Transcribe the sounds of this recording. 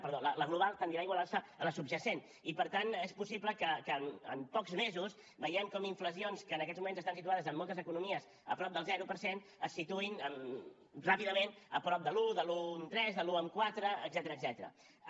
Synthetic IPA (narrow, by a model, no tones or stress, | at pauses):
pəɾðolələɣluβ̞alˠt̪ənd̪iɾaiɣwalansəələsubʒəsen | ipəɾt̪anespusipləkəkəmə̰mpɔkzmezus | bəjɛmkɔmiɱfləsionskəːnəkɛt̪zmumẽnzəst̪ansit̪uaðəzəmːɔlˠt̪əzəkunumiəs | əpɾɔp̚d̪əlˠzɛɾupəɾsen | əsːit̪uinəm | rapiðəmenəpɾɔp̚d̪əluðəlunt̪ɾɛzðəluəmkwat̪ɾəəɡzɛt̪əɾəːɡzɛt̪əɾə̰